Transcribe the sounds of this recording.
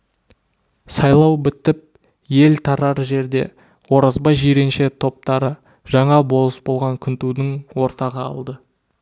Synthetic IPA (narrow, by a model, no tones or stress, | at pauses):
sɑjlˠɑwbɪt̪ɪp̚ | je̞lt̪ʰɑɾɑɾʒe̞ɾd̪e̞̰ | wo̞ɾɑzbɑʒijɾe̞nʃe̞t̪ʰo̞p̚t̪ɑɾə | ʒ̥ɑɴɑbo̞lˠəsbo̞lˠʁɑŋkʲʰʏnt̪ud̪ɪŋwo̞ɾt̪ɑʁɑɑ̰lˠd̪ə